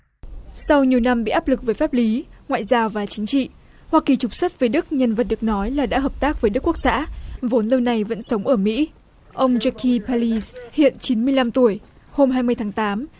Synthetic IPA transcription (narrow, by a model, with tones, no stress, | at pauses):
sa˧wɲi˨˩əwna˧mɓḭ˧˨ʔaː˦˥p̚lɨ˨˩k̚vəː˨˦jfaː˦˥p̚li˨˦ŋwa̰ː˧˨jzaː˧wvaː˨˩t͡ɕï˨˦ŋ̟t͡ɕḭ˧˨ | hwaː˧ki˨˩t͡ɕʊ˨˩k͡p̚swə˦˥t̚vəː˨˦jɗɨ˦˥k̚ɲə˧nvə˨˩t̚ɗɨ˨˩ək̚nɔ˨˦jlaː˨˩ɗa̰ː˧˥ɦəː˨˩p̚t̪aː˦˥k̚və˨˦ɗɨ˦˥kːu˥ək̚sa̰ː˧˥vo˨˦nlə˧wna˨˩jvə̰˧˥nsə˨˦wŋ͡mʔəː˧˩mḭ˧˥ | ʔə˧wŋ͡mza˧kʰi˧pa˧li˧zhḭ˧˨ənt͡ɕi˨˦nmɨ˧əjla˧mt̪u˧˩əj | ho˧mɦaː˧jmɨ˧əjt̪ʰaː˨˦ŋt̪aː˨˦m